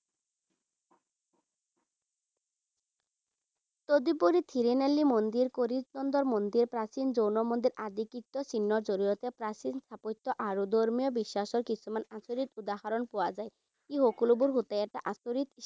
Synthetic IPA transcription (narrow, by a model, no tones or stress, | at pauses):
t̪od̪ipoɾit̪ʰiɾenelːimond̪iɾkoɾid͡ʑnɔnd̪ɔɾmond̪iɾpɾasind͡ʑownɔmond̪iɾad̪ikikt̪ːɔsinːɔɾd͡ʑoɾiɾɔt̪epɾasinst̪ʰapojt̪ːɔʔaɾud̪oɾmijɔbiʃːaʃɔɾkit͡ɕʰumanasoɾit̪ud̪aɦaɾonpowad͡ʑae | kiɦokulubuɾɦut̪ajaʈaʔasoɾit̪iʃ